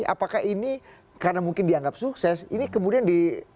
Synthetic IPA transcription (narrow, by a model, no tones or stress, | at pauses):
a̰pakaɦini | karnamuŋkɪndiaŋɡap̚suksɛsinikəmudiandi